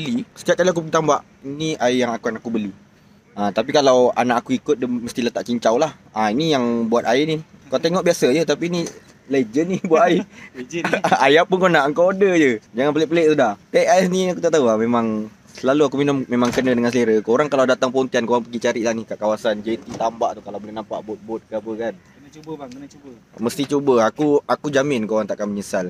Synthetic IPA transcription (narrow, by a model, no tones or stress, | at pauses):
əlisə̥k̪iat̚kaliak̬upəɡit̪ambaʔ | iniʔaijaŋakuanaʔakubəlu | ãt̪ap̬ikalawa̰naʔakuikʊt̪̚dəməst̪ilat̪aʔt͡ʃiɲt͡ʃawlah | ainijaŋbuat̪aɪnikat̪eŋɔʔ̚biasəjət̪apiːni | led͡ʒənibuaʔaɪ | ajapʊnkonaʔəŋkawodəd͡ʒəd͡ʒaŋanpəlɛpəleʔsudaht̪eʔasniakut̪aʔt̪auamemaŋ | səlaluakuminʊmmemãŋkənədəŋans̬eɾəkooɾaŋkalawdat̪aŋpəont̪iankoɾaŋpəɡit͡ʃaɾiʔlahnikaʔkawasand͡ʒet̪it̪ambaʔt̪ukalawbolɛhnampa̰ʔbʊt̪̚bʊt̪̚kəapəkan | ububəməst̪it͡ʃubəakuakud͡ʒamɪnkoɾaŋt̪aʔkanməɲəsal